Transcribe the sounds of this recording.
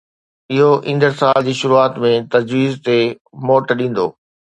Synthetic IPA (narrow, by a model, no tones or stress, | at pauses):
ɪɦoʔĩːnd̪əɾsaːld͡ʑiːʃʊɾuaːt̪mẽt̪ɐd͡ʑʋiːzt̪e | moːʈɗĩːn̆d̪oː